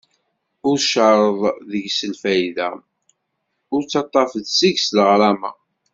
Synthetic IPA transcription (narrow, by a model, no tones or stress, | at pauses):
ʊɾʃəɾˤəðˤðəʝsəlfæjðæ̰ | ʊɾt͡sːɑt̪ˤːɑfəðsiʝsləʁɾɑmæ̰